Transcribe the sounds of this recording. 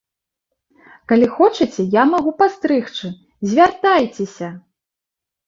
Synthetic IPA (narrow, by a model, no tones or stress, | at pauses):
kalʲixɔt͡ʂɐt͡sʲɛjamaɣupast̪ɾɨxt͡ʂɨ | zʲvʲart̪ajt͡sʲesʲɐ